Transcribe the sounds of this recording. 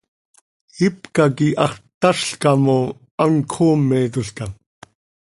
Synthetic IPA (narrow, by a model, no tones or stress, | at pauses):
ipkakiʔɑχt̪aʃɬkamo | aŋkʰoːmːɛt̪ʊɬkam